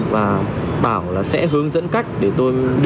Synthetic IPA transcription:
vaː˨˩ɓaː˧˩wlaː˨˩sɛ̰˧˥ɦɨ˧əŋzə̰˧˥nka˦˥jk̟̚ɗe˧˩t̪o˧jɗɨ˧

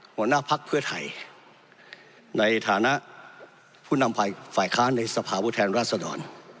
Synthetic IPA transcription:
hu˧˥ənaː˥˨pʰa˦˥k̚pʰɯ˥˩ɐt̪ʰa̰˨˩j | na˧jt̪ʰaː˨˧˦na˦˥ʔ | pʰuː˥˩na˧mpaː˨˩faː˨˩jkʰaː˦˥˨nːa˧jsa˧pʰaː˧pʰuː˥˩t̪ʰɛː˧nɾaː˥˩t̪̚sa˧dɔ̰ː˨˧n

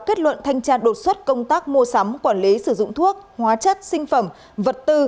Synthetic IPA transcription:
ke˦˥t̚lwə̰˧˨nt̪ʰa˧jŋ̟t͡ɕaː˧nɗo˨˩t̚swə˦˥t̚kə˧wŋ͡mt̪aː˦˥k̚mu˧əsa˨˦mkwaː˧˩nli˨˦sɨ˧˩zʊ̰˧˨ŋ͡mt̪ʰu˦˥ək̚hwaː˨˦t͡ɕə˦˥t̚sï˧ŋ̟fə˧˩m | və˨˩t̚t̪ɨ˧

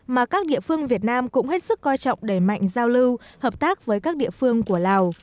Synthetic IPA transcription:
maː˨˩kaː˦˥k̚ɗḭ˧˨əfɨ˧əŋvi˨˩ət̚naː˧mkʊ̰˧˥ŋ͡mhe˦˥t̚sɨ˦˥kːɔ˧jt͡ɕɔ̰˧˨wŋ͡mɗe˧˩jma̰˧˨jŋ̟zaː˧wlɨ˧whəː˨˩p̚t̪aː˦˥k̚vəː˨˦jkaː˦˥k̚ɗḭ˧˨əfɨ˧əŋku˧˩əlaː˨˩w

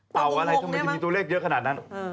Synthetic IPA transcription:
pa˨˩wʔa˧ɾa˧j̪a˥˩mː˧t͡ɕmiː˧t̪u˧˦leː˥˩k̚jɤ˦˥kʰa˧naː˨˩t̪̚na˦˥

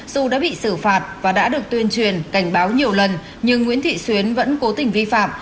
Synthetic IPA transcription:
zu˨˩ɗa̰ː˧˥ɓḭ˧˨sɨ˧˩faː˨˩t̚vaː˨˩ɗa̰ː˧˥ɗɨ˨˩ək̚t̪wi˧ənt͡ɕwi˨˩ənka˧˩jŋ̟ɓaː˨˦wɲi˨˩əwlə˨˩n | ɲɨ˧ŋːḭ˧˥nt̪ʰḭ˧˨swi˨˦ənvə̰˧˥nko˨˦t̪ï˨˩ŋ̟vi˧fa̰ː˧˨m

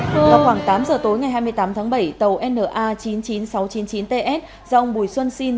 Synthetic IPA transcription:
vaː˨˩xwaː˧˩ŋt̪aː˨˦mzəː˨˩t̪o˨˦jŋa˨˩jɦaː˧jm˧əjt̪aː˨˦mt̪ʰaː˨˦ŋɓə˧˩jt̪ə˨˩wʔɛ˧nːəː˧˩ʔaː˧t͡ɕi˨˦nt͡ɕi˨˦nsa˨˦wt͡ɕi˨˦nt͡ɕi˨˦nt̪e˧ʔɛ˦˥t̚ | za˧ʔə˧ŋ͡mɓu˨˩jswə˧nsi˧n

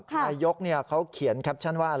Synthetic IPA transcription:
kʰa˧jo˦˥k̚ni˥˩ɐkʰa˦˥wkʰi˩˦nkʰa˦˥p̚t͡ɕʰa˥˩nwaː˥˩ʔa˧

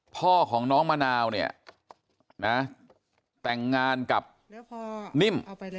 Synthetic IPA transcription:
pʰɔː˥˩kʰɔː˩˦ŋnɔː˦˥ŋmaː˧naː˧wni˥˩ɐ | na˦˥ | t̪ɛ˨˩ŋːaː˧nka˨˩p̚ | ni˥˩m

